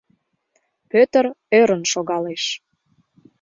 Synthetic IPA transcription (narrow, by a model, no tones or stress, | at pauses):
pøt̪ərøɾənʃoɣɑleʃ